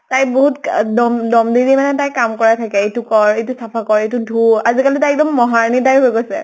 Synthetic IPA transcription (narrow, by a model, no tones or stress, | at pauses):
tajboɦutdɔmdɔmdiɹimanɛtajkamkɔɹatʰakɛetukɔɹejtusapʰakɔɹejtudʱuazikalitajɛk̚dɔmːɔɦaɹnitajɦojɡojsɛ̰